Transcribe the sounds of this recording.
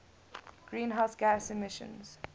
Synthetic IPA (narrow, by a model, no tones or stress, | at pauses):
ɡ̥ɹĩːnɦaʊsɡ̥æsɛmɪʃə̰̃nz̥